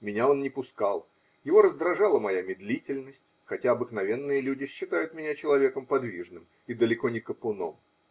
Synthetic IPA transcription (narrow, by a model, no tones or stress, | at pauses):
mʲɪnʲao̞nnʲɪpʊskalˠ | jɪvo̞ɾəzd̪ɾɐʐɑlˠəmɐjamʲɪd̪lʲitʲɪlʲnəsʲtʲxɐtʲaɐbɨknɐvʲe̞nːɨjəlʲudʲɪɕːɪt̪ajʊt̪mʲɪnʲat͡ɕɪlˠɐvʲe̞kəmpɐd̪vʲiʐnɨm | id̪əlʲɪko̞nʲɪkəpʊno̞̰m